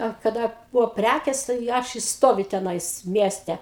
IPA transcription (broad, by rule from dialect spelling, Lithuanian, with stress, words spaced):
ɐ kɐˈdɐ ˈbʊʋoː ˈpʲrʲækʲeːs tɐɪ ˈɐʃ ɪ ˈstoːʋʲʊ tʲɛˈnɐɪs ˈmʲiɛsʲtʲɛ